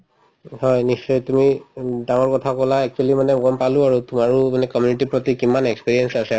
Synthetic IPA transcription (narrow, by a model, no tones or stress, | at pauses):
hɔjnisːɔjtumidaŋɔɹkɔtʰakɔlaɛk̚t͡ʃualimanɛmɔɡɔmpalʊ̃aɹutumaɹʊmanɛkɔmjunitipɹɔtikimanɛkspiɹiɛnsasɛ